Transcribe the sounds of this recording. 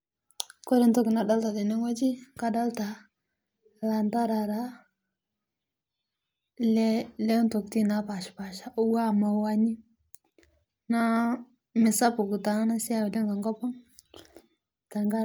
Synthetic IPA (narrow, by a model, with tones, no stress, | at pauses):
ko˦ɾe˦nto˦ɡi˨na˨da˦lta˨de˨ne˦ŋ˦wa˦d͡ʒi˦ka˦da˦lta˨ | la˨nta˦ɾa˨ɾa˨ | le˦le˦nto˨kti˦na˨˦pa˨ʃpa˨ʃa˦ʔu˦wa˦˨ma˨˦wa˦ɲi˦ | na˦ | me˨sa˦pu˨ɡu˨ta˨na˦na˦si˦a˦wi˨de˦ŋɡa˨ŋɡo˦po˦ŋ | ka˨ŋɡa˦